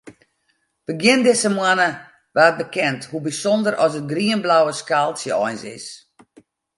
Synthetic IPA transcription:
b̥əɡjɪndɪsəmwanə | ʋaːət̚bəkʰɛnthubisɔndəɾʔɔsət̚ɡriənblawəskalˠsjəɔjnsɪ̰s

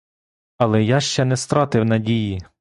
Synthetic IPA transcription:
ɐlˠɛjɑʃt͡ʃɛnɛst̪ɾɑt̪ɪwnɐdʲiji

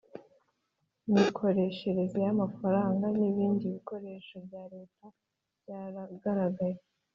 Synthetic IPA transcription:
mikʰo̞ɾe̞ːʃe̞ɾe̞zejamafaɾaːŋɡaniβiːndiβiko̞ɾe̞ːʃobjaːɾe̞ːta | bjaːɾaɡaɾaɡaje

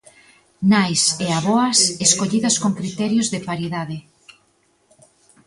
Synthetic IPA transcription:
najseaβoaseskoʎiðɐskoŋkɾit̪ɛɾjʊzðepaɾiðaðe

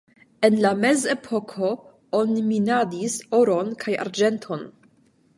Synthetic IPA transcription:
e̞nlame̞ze̞pʰo̞kʰo̞ | oniminadiso̞ɾo̞nkʰaja̰ɾd͡ʒe̞ntʰo̞n

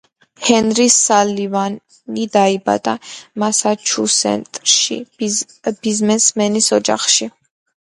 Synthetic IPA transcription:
hɛnɾisalivan | id̪aiba̰d̪amasat͡ʃʰusɛ̰nt̪ʼɾʃḭ | b̥izmɛsmɛnisɔd͡ʒa̰χʃi

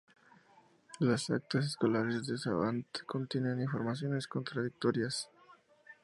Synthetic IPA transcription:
lasa̰k̚t̪as̬esko̞laɾezd̪esa̰βa̰nt̪kʰo̞nt̪jeneniɱfo̞ɾmasjo̞ne̞sko̞nt̪ɾaðik̚t̪oɾjas

